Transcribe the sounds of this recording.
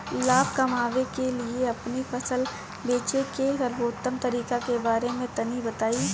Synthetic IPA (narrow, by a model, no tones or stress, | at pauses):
laːbkɐmaːʋekelieɐpnifʰɐsəl | beːt͡ʃekeɾɐɾboːt̪ːəmt̪ɐɾiːkakebaːɾemẽt̪ɐnibɐt̪aːi